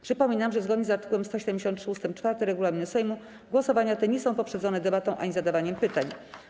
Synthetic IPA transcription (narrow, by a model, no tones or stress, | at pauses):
pʂɘpɔmʲinamʐɛzɡɔd̪ɲɛzaɾt̪ɘ̥kuwɛmst̪ɔɕɛd̪ɛmd͡ʑeɕɔ̃nt̪ʂust̪ɘmt͡ʂfaɾt̪ɛɾɛɡulamʲinɛsɛjmu | ɡwɔsɔvaɲat̪ɛɲɛsɔ̃w̃pɔpʂɛd̪zɔnɛd̪ɛbat̪ɔ̃w̃ʔa̰ɲizad̪avaɲɛmpɘt̪aɲ